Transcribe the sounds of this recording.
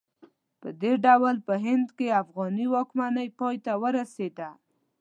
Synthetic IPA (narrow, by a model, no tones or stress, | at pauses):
pə̰d̪eɖawlpəɦɪnd̪keafɣɑniwɑkmanəjpɑjt̪awəɾased̪a